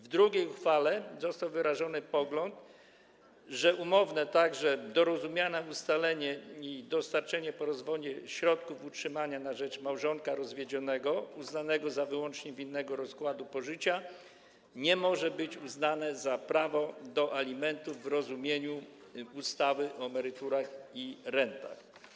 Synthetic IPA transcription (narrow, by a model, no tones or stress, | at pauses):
vd̪ɾuɡʲejxfalɛzɔst̪awvɘɾaʐɔnɘpɔɡlɔnt̪ | ʐɛʔumɔvnɛt̪aɡʐɛd̪ɔɾɔzumʲjanɛust̪alɛɲɛid̪ɔst̪aɾt͡ʂɛɲɛpɔɾɔzvɔd͡ʑɛɕɾɔt̪̚kufutʂɘmaɲanaʐɛt͡ʂmawʐɔŋkaɾɔzvʲjeɛd͡ʑɔnɛɡɔuznanɛɡɔzavɘwɔnt͡ʂɲɛvʲinːɛɡɔɾɔskwad̪upɔʐɘt͡ɕa | ɲɛmɔʐɛbɘt͡ɕuznanɛzapɾavɔd̪ɔʔalʲimɛnt̪uvɾɔzumʲjeɲu | ust̪awɘʔɔɛmɛɾɘt̪uɾaxiɾɛnt̪a̰x